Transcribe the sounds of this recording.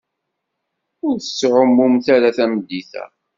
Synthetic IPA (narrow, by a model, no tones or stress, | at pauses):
ʊɾθə̥sːʕʊmːʊmθaɾaθæmd̪ːiθæ̰